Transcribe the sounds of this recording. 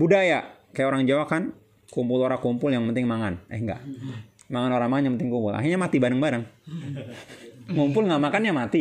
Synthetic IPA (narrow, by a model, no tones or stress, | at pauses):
budajakajaoɾaŋd͡ʒawakan | kumpʊloɾakumpʊljaŋpənt̪ɪŋmaŋana̰hŋɡa̰ʔ | maŋanoɾaŋmaŋanjaŋpənt̪ɪŋkumpʊla̰ɦirɲamat̪ibaɾəŋbaɾəŋ | kumpʊlŋaʔmakanjamat̪i